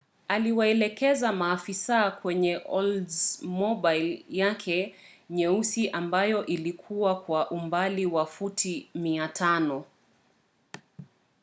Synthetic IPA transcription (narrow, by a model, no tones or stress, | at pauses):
aliwaɛlɛkɛzamaːfisakwɛɲɛʔɔldzmɔbajljakʰɛɲɛusiʔambajɔʔilikʰuwakwaʔumbaliwafutʰimiatʰanɔ